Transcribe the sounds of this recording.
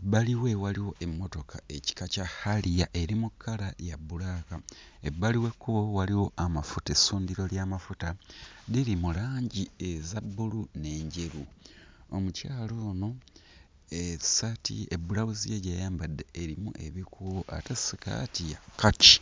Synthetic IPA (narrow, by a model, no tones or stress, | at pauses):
ebːaliwe̞waliwo̞ʔe̞mːo̞to̞kʰa̰e̞ci̥kacahalijaʔe̞ɾimukʰːalajabːulakaebːaliwe̞kːuowaliwo̞ʔamafutesuːndiɾo̞ljaːmafutaðiɾimulaːɲɟiezabːulune̞ːɲɟe̞ɾu | omucaːlo̞ːno̞ | esatḭebulaβuzijeɟajaːmbadːe̞ːɾimṵʔe̞βikuβoʔa̰tesika̰tijakat͡ʃi̥